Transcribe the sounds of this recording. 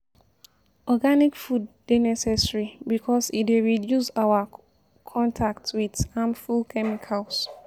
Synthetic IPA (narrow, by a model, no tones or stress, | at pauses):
ɔɡanikfud̚ːenɛsɛsɹibikʰɔsitweɹidjusawa | kʰɔ̃ntʰaktwidãmfulkʰɛmikʰals